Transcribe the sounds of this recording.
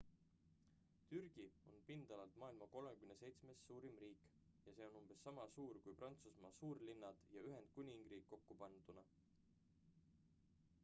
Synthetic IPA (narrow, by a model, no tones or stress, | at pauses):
t̪yrɡ̥io̞npind̪̥ɑlɑlt̪mɑːilmɑko̞lmekymnese̞jt̪sme̞sːuːɾimriːkˑ | jɑse̞ːo̞numb̥e̞sːɑmɑsuːɾkujprɑnt̪susmɑːsuːrlinːɑd̪̥jɑyɦe̞nd̪̥̚kunʲiŋɡ̥riːkːo̞kːupɑnd̪̥unɑ